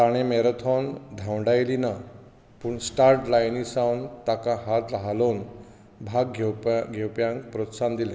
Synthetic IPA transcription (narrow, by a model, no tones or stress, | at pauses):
aɽ̃emeɾət̪ʰɔnd̪ʱawɳɖajlina | puːɳsʈaɾʈlajnisawnt̪akãɦat̪laɦalon | bʱaɡʱɡʱewpjãŋkpɾɔt̪sand̪ilẽ